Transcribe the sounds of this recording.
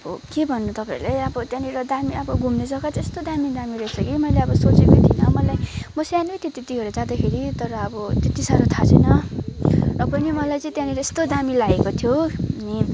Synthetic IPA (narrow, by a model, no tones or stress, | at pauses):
bokebʱʌnːut̪ʌpaḭ̃lajʌbʌt̪janiɾʌd̪amiʌbʌɡumned͡zʌkatest̪od̪amid̪amiɾʌet͡sʰʌkimʌjleʌbʌsot͡sekot̪ʰinʌmʌlajmʌsanet̪et̪et̪iɦʌɾud͡zad̪akʰeɾit̪ʌɾʌːbʌt̪et̪isaɾot̪ʰat͡sʰḛnʌ | rʌpʌnimʌlajt͡sʌ̃ĩt̪jãniɾʌest̪od̪amilaɡekot̪ʰjoʌni